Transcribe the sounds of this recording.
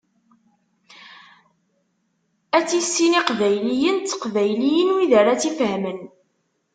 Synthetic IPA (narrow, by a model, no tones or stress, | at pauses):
æt͡sːisːiniqvæjlijənt͡sːə̥qvæjlijənwiðəɾat͡sːifɦmən